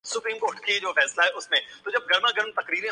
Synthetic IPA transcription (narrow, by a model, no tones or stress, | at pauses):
sʊpɾiːmkoːʈkʰed͡ʑoːfɛːslaɦɛːʊsmẽt̪od͡ʑɐb̚ɡɐɾmãɡʱɐɾmt̪ɐkɾiːɾẽ